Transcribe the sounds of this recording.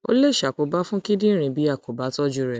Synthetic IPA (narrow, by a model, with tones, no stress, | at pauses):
o̰˦le˦˨ʃa˨ko˨˧ba˦fũ˦ki˦dĩ˦ɾ̃ĩ˧bi˨˦a˦˨ko˨ba˨˦tɔ˦d͡ʒu˧ɾɛ˨